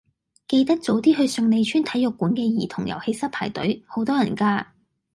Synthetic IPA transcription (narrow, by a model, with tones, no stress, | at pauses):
ke˧jt̪ɐ˥k̚t͡so˨˥wt̪̬iː˥ɦɵ˧ɥsɵ˧ŋne˨˧jt͡ʃʰyː˥nt̪ʰɐ˨˥jʊ˨kːuː˨˥nkɛː˧jiː˨˩t̪ʰʊ˨˩ŋjɐ̰˨˩whe˧jsɐ˥t̚pʰaː˨˩jt̪ɵ̰˨˥ɥho˨˥wt̪ɔː˥jɐ˨˩nkaː˧